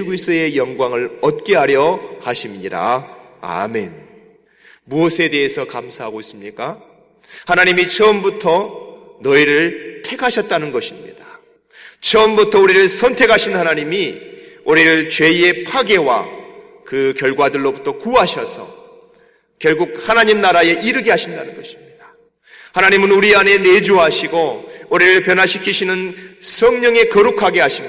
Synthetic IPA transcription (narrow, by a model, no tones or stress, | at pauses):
ɡisʰɯe̞jʌŋɡwaŋɯɭʌt̚k͈e̞ɦaɾjʌhaɕʰimɲiɾa̰ | a̰me̞n | muʌsʰe̞de̞ɦesʰʌkamsʰaɦaɡois͈ɯmɲik͈a | hanaɲimit͡ɕʰʌmbutʰʌ | nʌiɾɯɭtʰe̞kʰaɕʰʌt̚t͈anɯnɡʌɕʰimɲḭdḁ | t͡ɕʰʌmbutʰʌuɾiɾɯɭsʰʌntʰe̞kʰaɕʰinhanaɲimiuɾiɾɯɭt͡ɕwe̞e̞pʰaɡe̞wa̰ | kɯkjʌɭɡwadɯɭːobutʰʌkuɦaɕʰʌsʰʌ̰ | kjʌɭɡuk̚hanaɲimnaɾaje̞ʔiɾɯɡeɦaɕʰinda̰nɯnɡʌɕʰi̥mɲid̥ḁ | hanaɲimɯnuɾiane̞ne̞d͡ʑuɦaɕʰiɡouɾiɾɯɭpjʌnɦaɕʰikʰiɕʰinɯnsʰʌŋɲʌŋe̞kʌɾukʰaɡe̞ɦaɕʰi